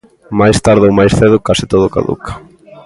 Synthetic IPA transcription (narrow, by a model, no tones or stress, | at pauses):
majst̪aɾðowmajsθeðʊkasɪ̥t̪oðʊka̰ðṵkḁ